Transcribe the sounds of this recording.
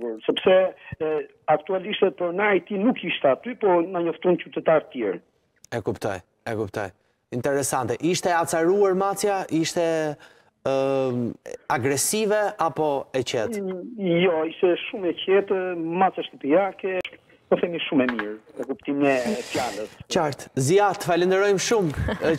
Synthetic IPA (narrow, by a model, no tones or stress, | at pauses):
uɾsɛpsɛ | akt̪ualiʃt̪ɛpɔɾnaɾit̪inukiʃt̪ɛat̪ypɔnaɲɔft̪unt͡ʃut̪ɛt̪aɾt̪ət̪jɛɾ | ɛkupt̪ɔ̰j | ɛkupt̪ɔ̰j | int̪ɛɾɛsant̪ɛʔiʃt̪ɛat͡saɾuaɾmat͡sjaʔiʃt̪ɛ | aɡɾɛsivɛapɔɛt͡ɕɛt̪jɔiʃt̪ɛʃumɛcɛt̪masjaʃt̪əpiakɛ | ɔθɛmiʃumɛmiɾnəkupt̪imɛfjaləst͡ʃaɾt̪zjat̪ə̥falɛnd̪əɾɔjmʃum